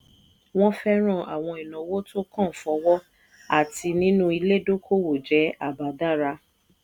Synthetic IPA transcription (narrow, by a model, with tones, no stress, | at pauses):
w̃ɔ̃˦fɛ˦ɾ̃ã˦˨a̰˨w̃ɔ̃˧i˨nɔ̃˨˦wo˦to˦kã˦˨fɔ˨˧wɔ˦ | a̰˦˨ti˧nĩ˦nũ˦i˧le˦do˦kʰo˦wo˨d͡ʒɛ˨˦a˦˨ba˨da˦˨ɾa˧˦